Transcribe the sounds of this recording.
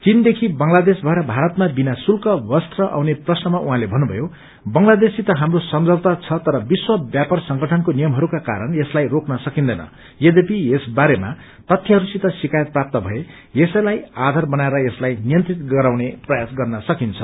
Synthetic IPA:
t͡sind̪ekʰibʌŋlad̪esbʱaeɾʌbʱaɾʌt̪mabinasulkʌbʌst̪rʌʔa̰wneprʌsnʌmaʔuɦãlebʱʌnːubʱʌ̰jo | bʌŋlad̪esit̪ʌɦamrosʌmd͡zʌbt̪at͡sʰʌt̪ʌɾʌbiswʌbjapʌrsʌŋɡʌʈʰʌnkonijʌmɦʌɾukaka̰ɾʌnjeslajroknʌsʌkind̪ʌjnʌ̰ | jed̪epiesbaɾema̰ | t̪ʌt̪ʰjʌɦʌɾusit̪ʌsikajʌt̪̚prap̚t̪ʌbʱʌe | jesʌjlajad̪ʱarbʌnaeɾʌjeslajnijʌnt̪rit̪ɡʌɾaw̃neprʌjasɡʌrnʌsʌkint͡sʰʌ

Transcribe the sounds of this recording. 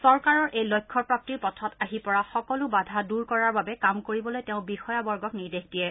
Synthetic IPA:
sɔɹkaɹɔɹejlojkʰːɔpɹap̚tiɹpɔtʰɔtaɦipɔɹaxɔkɔlʊbadʱaduɹkɔɹaɹbabɛkamkoɹibɔlojteʊ̃bixɔjabɔɹɡɔkniɹdexdijɛ

